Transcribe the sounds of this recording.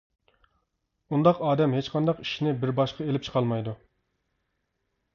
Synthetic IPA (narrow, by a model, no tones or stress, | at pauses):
und̪ɑqɑːd̪ɛmhet͡ʃqʰɑnd̪ɑqi̥ʃinɪbɪɾbɑʃqʰɑelɪp̚t͡ʃʰqʰɑlˠmɑjd̪u